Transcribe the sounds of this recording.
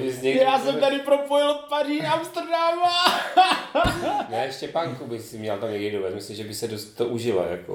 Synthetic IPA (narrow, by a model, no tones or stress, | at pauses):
bɪzɲɛjaːsɛmt̪adɪpɾopojɪlpariamst̪ɛɾdama | naɛʃcɛpaŋkubɪsɪmɲɛlt̪amɲɛɡdidovɛt̪mɪslimʒɛbɪsɛdost̪t̪ːoʔuʒɪla̰ja̰ko̰